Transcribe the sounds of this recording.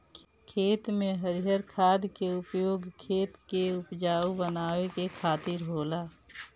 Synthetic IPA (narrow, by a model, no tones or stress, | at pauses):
kʰeːt̪mẽɦəɾɪɦjəɾkʰaːd̪keʊpjoːɡkʰeːt̪keʊpd͡ʒaːubənaːwekekʰaːt̪ɪɾɦoːlaː